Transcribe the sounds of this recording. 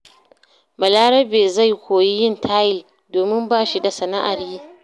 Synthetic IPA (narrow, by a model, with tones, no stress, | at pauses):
mɐ˨laː˦ɾɐ˦beː˨za˦˨jkʷoː˨ji˦jɪ˦˨ntʰaː˦jɪ˨l | doː˨mɪ˦mbaː˦ʃi˦da˨sɐ˨na˦ʔa˨ɾjiː˦